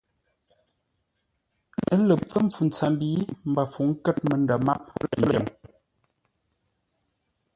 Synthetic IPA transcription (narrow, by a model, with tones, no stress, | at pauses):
ə˦lə˨ə˦ɱ˨p͡fu˨n̩˨t͡sa˨m˦biː˨˦m̩˨ba˨fu˨ŋ̩˦kɛ˦t̚mə˨nda˨ma˦p̚lə˨m